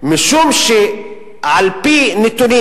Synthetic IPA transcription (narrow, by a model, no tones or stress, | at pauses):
mɪʃumʃi | ʕalpinɪt̪uni